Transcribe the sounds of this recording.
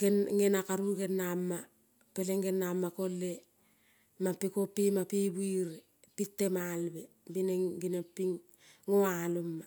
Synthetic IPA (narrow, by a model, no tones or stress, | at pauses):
ɡenŋenakaɾuɡe̞nːamːa | peleŋɡenːamːako̞lːe̞ | mapikopːimapibuiɾe | pitːemalbe | bineŋɡinepːiŋ | ŋoalomːa